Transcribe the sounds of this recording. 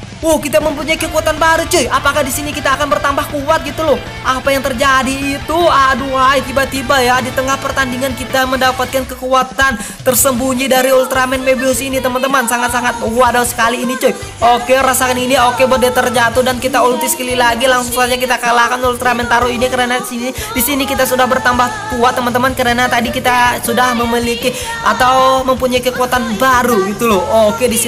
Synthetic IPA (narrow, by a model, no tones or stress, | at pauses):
ʊhkit̪aməmpuɲaikəkuat̪anbaɾut͡ʃojapakahdisinikit̪aːkanbərt̪ambahkuwat̪̚ɡit̪ulʊh | ʔapajaŋt̪ərd͡ʒadiːt̪uaduajt̪ibat̪ibajadit̪əŋahpərt̪andiŋankit̪aməndapat̪̚kankəkuat̪ant̪ərsəmbuɲidaɾiult̪ɾamɛnmebiɔsinit̪əmant̪əmansaŋat̪̚saŋat̪̚əuadausə̥kaliːnit͡ʃoj | okeɾasakaniniokebodɛt̪ərd͡ʒat̪ʊhdankit̪aulut̪iskəlilaɡilaŋsʊŋsad͡ʒak̬it̪akəlahkanult̪ɾamɛnt̪aɾuinikəɾanasini | disinikit̪asudahbərt̪ambahkuat̪ːəmant̪əmankəɾanat̪adikit̪asudahməmiliki | at̪awməmpuɲaikəkuat̪anbaɾuɡit̪ulʊokedis